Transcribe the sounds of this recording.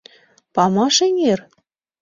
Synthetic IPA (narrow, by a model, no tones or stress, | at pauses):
pɑmɑʃeŋer